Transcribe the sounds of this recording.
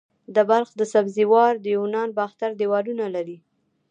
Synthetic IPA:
d̪əbalxd̪əsabziwɑɾd̪əjunɑnbɑxt̪aɾd̪ewɑlunalaɾi

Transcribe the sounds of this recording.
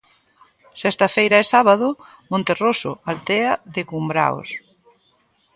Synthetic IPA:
sɛst̪ɐfejɾaesaβaðʊ | mõnt̪eroso̰alt̪ɛɐðekumbɾa̰o̰s

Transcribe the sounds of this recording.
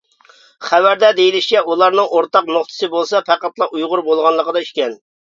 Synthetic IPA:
χævæɾd̪ɛd̪ejilɪʃt͡ʃɛulˠɑɾnɨŋʔoɾt̪ɑqnoχt̪ʰɨ̥sɨbolˠsɑpæqæt̪lˠɑʔujʁʊɾbolˠʁɑnlˠəqəd̪ɑiʃkʲɛn

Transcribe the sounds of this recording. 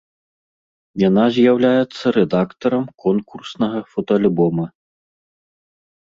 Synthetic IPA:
janazʲjawlʲajɛt̪sːɐɾɛd̪akt̪ɐɾɐmkʰɔnkursnɐɣɐfɔt̪ɐalʲbɔmɐ

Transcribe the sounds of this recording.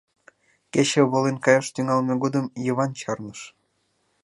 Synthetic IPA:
ket͡ɕĕβolenkɑjɑʃt̪yŋɑlmeɡod̪əmjəβɑnt͡ɕɑrnəʃ

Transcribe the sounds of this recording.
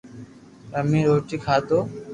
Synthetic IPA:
əmĩːɾoːʈiːkʰaːt̪oː

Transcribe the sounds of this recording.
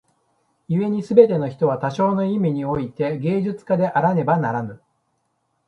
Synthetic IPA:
jɯe̞ɲ̟isɨbe̞t̪e̞no̞çi̥t̪o̞β̞at̪aɕo̞ːno̞imʲiɲ̟io̞it̪e̞ɡe̞ːʑɨt͡sɨ̥kad̪e̞ʔaɾane̞banaɾanɯ̟

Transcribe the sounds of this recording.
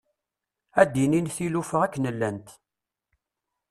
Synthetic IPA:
æd̪ininθilufəʁækːnəlːænt̪

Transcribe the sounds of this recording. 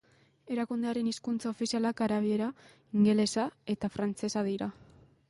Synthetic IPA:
e̞ɾakund̪eaɾe̞niskunt͡sao̞fisialakaɾaβ̞ie̞ɾa | iŋɡe̞le̞sae̞t̪afɾant͡se̞saðiɾa

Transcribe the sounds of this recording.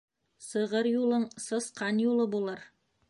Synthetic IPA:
sɤ̆ʁɤɾjulˠɤɴsɤ̆sqɑnjulˠɤbulˠɤɾ

